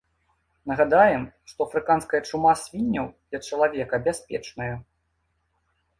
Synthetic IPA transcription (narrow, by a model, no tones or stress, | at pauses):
nɐɣad̪ajɛm | ʂt̪ɔɐfɾɨkan̪skɐjɐt͡ʂumasʲvʲinʲːɐwd̪̥lʲɐt͡ʂɐlˠavʲɛkɐbʲasʲpʲɛt͡ʂnɐjɐ